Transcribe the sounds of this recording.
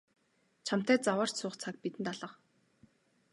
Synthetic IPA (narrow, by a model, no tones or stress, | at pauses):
t͡ɕʰam̥t̪æːt͡sawəːr̥t͡ɕsʊːχt͡sʰak̚pit̪ɘ̆nt̪aɮə̆q